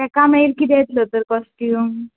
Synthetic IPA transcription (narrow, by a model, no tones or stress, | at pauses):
t̪ɛkamejlkid̪et̪lət̪əɾkɔskiu